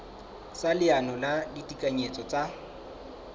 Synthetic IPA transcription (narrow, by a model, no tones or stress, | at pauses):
salɪanɔladitʼikʼaɲet͡sʼɔt͡sʼa